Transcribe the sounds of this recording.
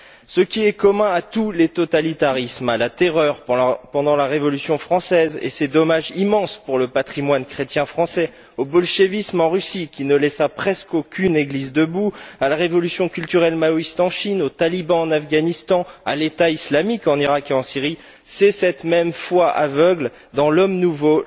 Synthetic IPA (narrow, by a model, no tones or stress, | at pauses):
səkʲiɛkɔmɛ̃at̪ulet̪ɔt̪alit̪aʁismalat̪eʁœʁppɑ̃d̪ɑ̃laʁevɔlysjɔ̃fχɑ̃sɛzḛsed̪ɔmaʒimɑ̃spuʁləpat̪χimwankχet̪jɛ̃fχɑ̃sɛ | obɔlʃevismɑ̃ʁysikʲinəlɛsapχɛskokʲʰyneɡlizd̪əbualaʁevɔlysjɔ̃kʲylt̪yʁɛlmaoist̪ɑ̃ʃinot̪alibɑ̃ɑ̃nafɡanist̪ɑ̃a̰let̪aislamikɑ̃niʁakeɑ̃siʁi | sɛsɛt̪mɛmfwaʔa̰vœɡl | d̪ɑ̃lɔmnuvo